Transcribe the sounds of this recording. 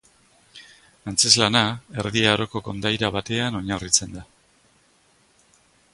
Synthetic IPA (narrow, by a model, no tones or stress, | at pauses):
ant͡se̞zlanae̞ɾðiaɾo̞ko̞ko̞nd̪ajɾaβat̪e̞ano̞ɲarit͡se̞nd̪a